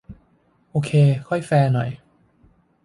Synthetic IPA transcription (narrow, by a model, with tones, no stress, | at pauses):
ʔoː˧kʰeː˧kʰɔ˥˩jfɛː˧nɔ̰˨˩˦j